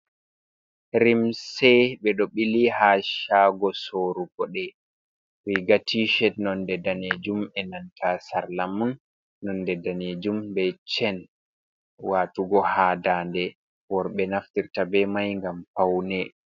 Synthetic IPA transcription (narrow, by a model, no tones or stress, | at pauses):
ɾimsɛɓɛɗɔɓilihaːʃaɡɔsoɾuɡɔɗɛ | wiɡatiʃɛtnɔndɛdaned͡ʒumɛnantʰasaɾlamunː | ɔndɛdaned͡ʒumbɛt͡ʃɛn | waːtuɡɔhadandɛ | wɔɾɓɛnaftiɾtabɛmajŋɡampawnɛ